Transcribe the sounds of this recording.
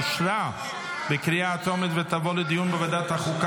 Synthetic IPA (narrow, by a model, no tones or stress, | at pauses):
ʃɾa | bɪkɾijaːt͡sɔmit̪vət̪avɔlɪd̪ijumbɪvad̪at̪aχuka